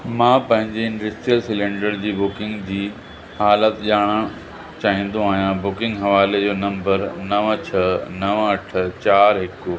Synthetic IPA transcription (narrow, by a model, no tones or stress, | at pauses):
mãːpɐ̃ɦɪ̃ɲd͡ʑeɪ̃ɳɖɐsʈɾijəlsɪlẽːɳɖəɾd͡ʑiːbʊkɪ̃ŋɡd͡ʑiː | haːlət̪ʄaːɽ̃ə̃ | t͡ɕaːɦĩːn̆d̪ũaːɦijãbʊkɪ̃ŋɡɦɐʋaːled͡ʑoːnɐ̃mbəɾnɐʋt͡ɕʰɐnɐʋɐʈ̆ʰt͡ɕaːɾɦɪkʊ